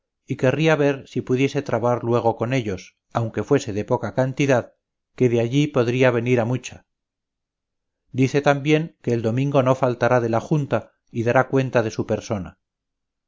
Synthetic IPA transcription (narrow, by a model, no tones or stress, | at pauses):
ike̞riaβe̞ɾsipuðje̞se̞t̪ɾaβaɾlwe̞ɣ̞o̞ko̞ne̞ʎo̞s | awŋke̞fwe̞se̞ðe̞po̞kakant̪iðað | ke̞ðeaʎipo̞ðɾiaβ̞e̞niɾamut͡ʃa | d̪iθe̞t̪ambje̞ŋke̞ːld̪o̞mĩŋɡo̞no̞falt̪aɾaðe̞laxunt̪a | iðaɾakwe̞nt̪að̞e̞supe̞ɾso̞na̰